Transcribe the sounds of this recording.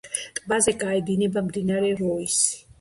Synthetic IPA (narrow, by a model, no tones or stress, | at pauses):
t̪ʼbazɛɡʼaɛd̪inɛbamd̪inaɾɛɾɔisi̥